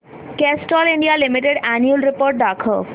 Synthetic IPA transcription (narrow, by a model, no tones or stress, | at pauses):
kesʈɔliɳɖialimiʈeɖæniulɾipoɾʈ̚ɖ̪akʰo